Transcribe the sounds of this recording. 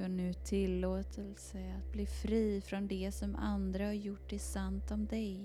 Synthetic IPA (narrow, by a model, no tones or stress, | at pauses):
œɳʉ̟ːt̪ʰɪlːoːt̪ʰəlsəat̪̚bliːfɾiːfɾɔnd̪ɛsɔma̰nd̪ɾahaɾjʊʈːɖɛsant̪ɔmd̪ɛj